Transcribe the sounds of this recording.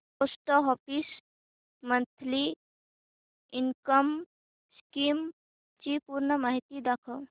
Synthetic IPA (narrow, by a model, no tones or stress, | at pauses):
posʈəɦɔpis | mənt̪ʰli | inkəm | skim | t͡ʃipuɾnəmaɦit̪id̪akʰə